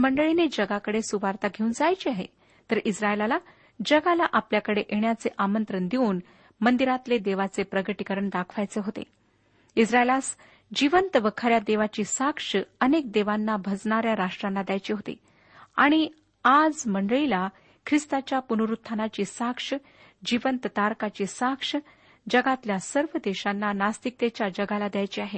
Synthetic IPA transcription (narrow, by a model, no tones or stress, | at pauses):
məɳɖəɭined͡ʑəɡakəɽesuʋaɾt̪aɡʱeuːnd͡zajt͡ɕiaɦḛ | t̪əɾisɾaelala | d͡ʑəɡalaʔapljakəɽeʔeɳjat͡seʔamənt̪ɾənd̪iuːn | mənd̪iɾat̪led̪eʋat͡sepɾəɡəʈikəɾəɳd̪akʰʋajt͡seɦot̪ḛ | isɾaelas | d͡ʑiʋənt̪ʋəkʰaɾjad̪eʋat͡ɕiːsakʂəənek̚d̪eʋanːabʱəd͡zɳaɾjaɾaʂʈɾanːad̪jajt͡ɕeɦot̪ḛ | a̰ɽ̃i | ad͡zməɳɖəɭila | kʰɾist̪at͡ɕjapunuɾut̪ʰːanat͡ɕiːsakʂə | d͡ʑiʋənt̪ət̪aɾkat͡ɕiːsakʂə | d͡ʑəɡat̪ljasəɾʋəd̪eɕanːanast̪ik̚t̪et͡ɕjad͡ʑəɡalad̪jajt͡ɕiːaɦe